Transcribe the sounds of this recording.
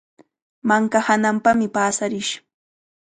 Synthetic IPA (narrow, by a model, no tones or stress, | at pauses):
maŋkahanampamɪpaːsaɾɪʃ